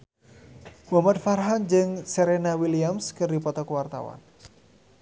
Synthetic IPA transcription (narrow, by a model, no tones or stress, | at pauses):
wɔmat̪̚farɦand͡ʒɨŋsɛɾɛnawiliamskɨrdipɔt̪ɔkuwart̪a̰wa̰n